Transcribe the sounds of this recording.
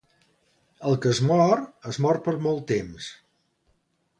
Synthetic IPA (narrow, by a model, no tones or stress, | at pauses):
əlˠkəəzmɔrəzmɔr̚pəɾmɔlˠt̪ːems